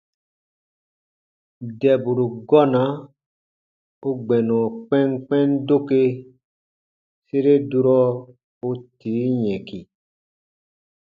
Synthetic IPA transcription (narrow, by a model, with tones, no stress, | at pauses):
dɛ˨bu˨ɾu˨ɡɔ˦na˨˦ | o˦ɡ͡bɛ˨nɔ̃˨k͡pɛ˦ŋk͡pɛ̃˦ndo˦ke˦ | se˦ɾe˦du˧ɾɔ˦ | o˦tiː˨˦ɲɛ̃˨ki˨